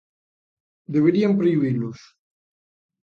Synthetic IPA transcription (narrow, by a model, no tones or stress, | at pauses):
d̪eβ̞eɾiampɾeiβilʊs